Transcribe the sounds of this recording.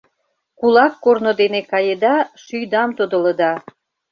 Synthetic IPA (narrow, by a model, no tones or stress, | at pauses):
kulɑkːornod̪enekɑjed̪ɑʃyjd̪ɑmt̪od̪ə̆lə̆d̪ɑ